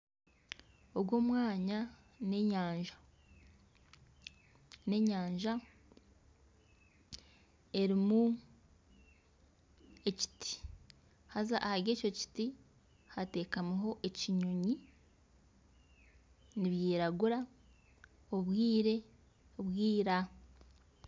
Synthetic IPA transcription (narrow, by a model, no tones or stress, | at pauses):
o̞bɡwo̞ːmwaːɲa | ne̞ɲaːɲʒḁ | ne̞ɲaːɲʒa | e̞ɾimu | e̞ci̥ti̥ | hazaʔahaɾɡe̞ːco̞ci̥ti | hate̞ːkamuɦo̞ʔe̞ciɲoɲi | niβjiːɾaɡuɾa | oβwiːɾe̞ | oβwiːɾa